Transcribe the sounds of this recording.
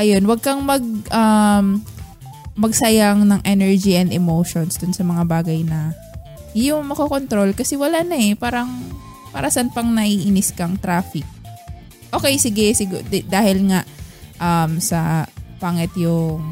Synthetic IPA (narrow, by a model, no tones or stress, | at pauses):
ʔɐjo̞nwɐɡ̚kɐŋmɐɡ̚ʔɐm | mɐɡsɐjaŋnɐŋʔɛnɛɹd͡ʒiʔɐnd̪ɛmowʃonsd̪ʊnsɐmɐŋabaːɡɐjnɐ | jʊŋmɐkoko̞nt̪ɾo̞lkɐsɛwɐlaʔnɐɛpaːɾɐŋ | pa̰ːɾɐsɐnpɐŋnɐʔiʔɪnɪskɐŋt̪ɾaːfɪk̚ | ʔo̞ːkɛjsɪɡɛsɪɡud̪aːhɪlŋaʔʔɐmsɐpaːŋɛt̪jʊŋ